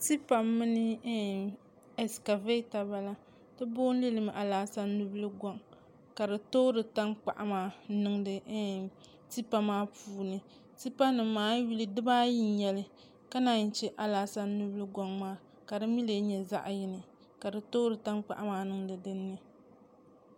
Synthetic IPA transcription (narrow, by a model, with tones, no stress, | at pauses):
ti˦pa˨mːɨ˦nɨ˦ | ɛ˨ska˨ve˦ta˨ba˦la˦ | tɨ˦boː˦n̩˦lɨ˦lɨ˨m˨ʔa˨laː˨sa˦nː˦u˦bɨ˦lɨ˦ɡɔ˨ŋ | ka˨dɨ˨toː˦ɾɨ˨ta˦ŋk͡pa̰˨ʔa˦maː˨˦nɨ˦ŋdɨ˨˦ | ti˦pa˨maː˦puː˦nɨ˨ | ti˦pa˦nɨ˨mːaː˦ji˦lɨ˨dɨ˦baː˦ji˦n˦ɲɛ˨lɨ˦ | ka˦na˨n̩˨t͡ʃɛ˦ʔa˨laː˨sa˦nu˦blɨ˦ɡɔ˨ŋmaː˦ | ka˨dɨ˦mi˦le˨˦ɲɛ˨za̰˦ʔjɪ˦nɨ˨ | ka˨dɨ˨toː˦ɾɨ˨ta˦ŋk͡pa̰˨ʔa˦maː˨˦nɨ˦ŋdɨ˨dɨ˦nːɨ˨